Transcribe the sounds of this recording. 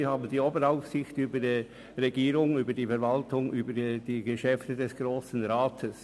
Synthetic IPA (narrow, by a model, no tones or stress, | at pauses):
haːbn̩diːoːbəɾaʊfsɪçtyːbədiː | ʁeɡiːɾʊŋyːbədiːfɛɾvaltʊŋʔyːbəd̥iːɡeʃɛftədɛsɡ̥ʁoːsn̩ʁaːtʰəs